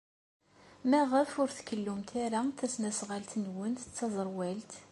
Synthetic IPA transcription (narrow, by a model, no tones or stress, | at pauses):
mæʁəfʊɾθkːəlːʊmt̪ʰaɾaθæsnæsʁalt̪nwənt̪ə̥t͡sːɑzˤɾˤwælt̪